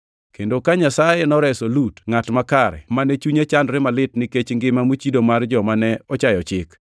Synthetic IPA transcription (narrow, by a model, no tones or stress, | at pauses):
kendokaɲasajenɔɾɛsolutŋatmakaɾɛ̰manɛt͡ʃuɲat͡ʃandɾɪmalɪtnɪket͡ʃŋɡɪmamut͡ʃidomard͡ʒɔmanɛɔt͡ʃajɔt͡ʃɪk